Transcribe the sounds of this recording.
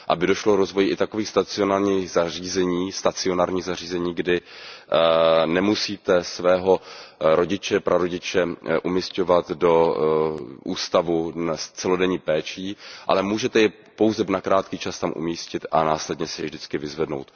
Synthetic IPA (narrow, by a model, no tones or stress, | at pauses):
ʔa̰bɪdo̞ʃlokɾozvo̞jɪʔɪt̪ako̞viːxst̪at͡sɪonaːɾɲiːxzariːzɛɲiːst̪at͡sɪo̞naːɾɲiːɣzar̝iːzɛɲiːɡdɪ | nɛmusiːt̪ɛsvɛːɦo̞ɾo̞ɟɪt͡ʃɛpɾʔaɾo̞ɟɪt͡ʃɛʔumisco̞vat̪do̞ | ʔṵːst̪avunst͡sɛlo̞dɛɲiːpɛːt͡ʃiːʔa̰lɛmuːʒɛt̪ɛjɛ | po̞wzɛnakɾaːt̪kiːt͡ʃast̪amʔṵmiːscɪt̪ʔanaːslɛdɲɛsɛjɛvʒdɪt͡skɪvɪzvɛdno̞̰wt̪